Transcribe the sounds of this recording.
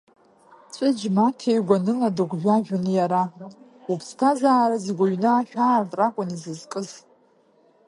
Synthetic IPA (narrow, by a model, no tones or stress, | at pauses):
t͡sʷʼɨd͡ʒmatʰejɡʷanɨladɨɡʷʒʷᶣaʒᶣʊnɨjaɾa | upʰstʰazaːɾazɨɡʷaɥnɨaʃᶣaːrtʼrakʷʼʊnizɨzkʼɨz